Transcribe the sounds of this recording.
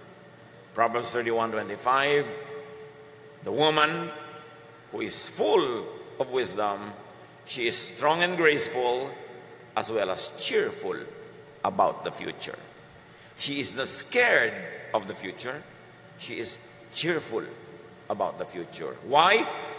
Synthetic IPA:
pɹɔbəblθə˞ɾiwʌ̃ntwɛ̃ntifaɪv | ðəwʊmə̃n | huɪzfʊlɔvwɪsdə̃m | ʃiɪsstɹɔ̃ŋɛ̃nɡɹeɪsfʊlˠ | ʔəswɛləst͡ʃɪɹfʊ̰l | ʔəbaʊt̪̚ðəfjṵt͡ʃʊ̰ɹ | ʃiɪznəskɛɹdʌvðəfjut͡ʃəɹ | ʃiɪz | t͡ʃɪɹfʊlˠ | əbaʊt̪̚ðəfjut͡ʃʊ̰ɹwaɪ

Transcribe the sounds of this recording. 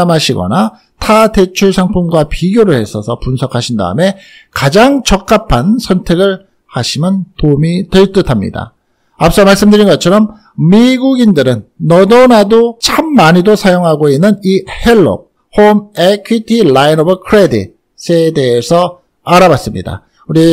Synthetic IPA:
mɦaɕʰiɡʌ̰na | tʰate̞t͡ɕʰuɭsʰaŋpʰunɡwapiɡjoɾɯɭhe̞sʰʌsʰʌpunsʰʌkʰaɕʰinda̰ɯme̞ | kad͡ʑaŋt͡ɕʌk̚k͈apʰansʰʌntʰe̞ɡɯɭ | haɕʰimɯntomitɯɭt͈ɯtʰamɲḭda̰ | ap̚s͈ʌmaɭs͈ɯmdɯɾinɡʌt͡ɕʰʌɾʌm | miɡuɡindɯɾɯnːʌdʌnadot͡ɕʰamːaɲidosʰajoŋɦaɡoinːɯnihe̞ɭːo̰k̚ | homekʰwitʰilainʌbʌkʰɯɾedḭt̚ | s͈ede̞ːsʰʌ | aɾawas͈ɯmɲḭda̰ | uɾi

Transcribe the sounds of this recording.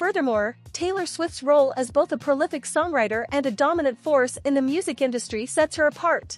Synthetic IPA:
fɜ˞ðə˞mɔɹtʰeɪlˠə˞swɪftsɹoʊlˠɨzboʊθəpʰɹ̥olɪfɨksɔ̃ŋɹaɪɾə˞ʔɨ̃nɨdɑmənɨ̃ntfɔɹsɨ̃nðɨmjʉzɨkɪ̃ndɨstɹ̥isɛtshə˞əpʰɑɹt̚

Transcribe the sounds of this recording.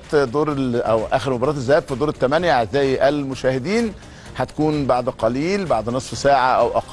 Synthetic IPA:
t̪d̪oːɾˤʔæwʔæ̰ːxeɾmobɑɾˤɑːt̪ezːæhæːb̥fid̪uːɾɪt̪ːæmænjaɪzːæːjʔælmʊʃæːhɪd̪iːn | ħæt̪æ̥kuːnbaʕd̪qɑliːlbaʕd̪nɑsˤfsaːʕaʔæwʔɑq

